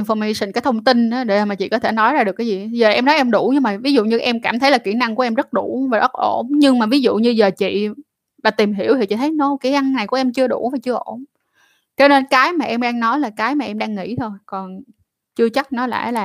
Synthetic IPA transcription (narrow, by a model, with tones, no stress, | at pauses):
ŋfɔ˧mi˧sï˨˩kaː˨˦jt̪ʰə˧wŋ͡mt̪i˧nɗaː˨˦ɗe˧˩˨maː˨˩t͡ɕḭ˧˨kɔ˨˦t̪ʰe˧˩nɔ˨˦jzaː˧ɨ˨˩əkːaː˨˦zi˨˩zəː˨˩ʔɛ˧mnɔ˨˦jʔɛ˧mɗu˧˩ɲɨ˧ŋmaː˨˩vi˨˦zṵ˧˨ɲɨ˧ʔɛ˧mkaː˧˩mt̪ʰə˨˦jlaː˨˩ki˧˩əna˧ŋku˧˩əɛ˧mzə˦˥t̚ɗu˧˩vaː˨˩ʔə˦˥t̚ʔo˧˩nɲɨ˧ŋmaː˨˩vi˨˦zṵ˧˨ɲɨ˧zəː˨˩t͡ɕḭ˧˨ | ɓaː˨˩t̪i˨˩mɦi˧˩əwt̪ʰi˨˩t͡ɕḭ˧˩t̪ʰə˨˦jno˧˦kaː˨˦jʔa˧nːa˨˩jku˧˩əʔɛ˧mt͡ɕɨ˧əɗu˧˩vaː˨˩t͡ɕɨ˧əʔo˧˩n | t͡ɕɔ˨˧ne˧nkaː˨˦jmaː˨˩ʔɛ˧mɗaː˧ŋnɔ˨˦jlaː˨˩kaː˨˦jmaː˨˩ʔɛ˧mɗaː˧ŋːḭ˧˥t̪ʰo˧jkɔ˨˩n | t͡ɕɨ˧ət͡ɕa˦˥k̚nɔ˨˦la̰ː˧˩laː˨˩